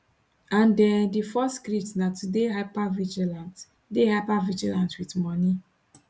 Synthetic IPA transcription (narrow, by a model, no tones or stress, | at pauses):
ãndɛ̃ndifɔstkɾitnatudeɦapavid͡ʒilãnt | dehapavid͡ʒilãntwitmɔni